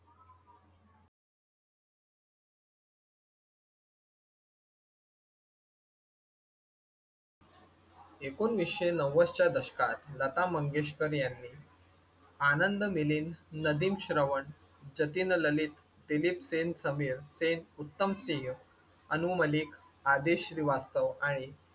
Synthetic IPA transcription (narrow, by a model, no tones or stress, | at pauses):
ekoːnʋiɕenəʋəst͡ɕjad̪əɕkat̪lət̪aməŋɡeɕ̬kəɾjanːiː | anənd̪miliːnːəd̪iːmɕɾəʋəɳ | d͡ʑət̪inələliːt̪ | d̪ilipsensəmiːɾsenut̪ːəmsĩŋ | ənuməliːkʰ | ad̪eɕɾiʋast̪əʋaɽ̃i